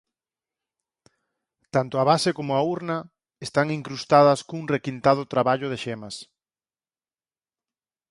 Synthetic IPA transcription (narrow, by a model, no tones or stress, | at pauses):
t̪ant̪ʊaβasɪkomʊauɾnɐ | est̪aŋiŋkɾust̪aðɐskuŋrekint̪að̞ʊt̪ɾaβaʎʊðeʃemɐs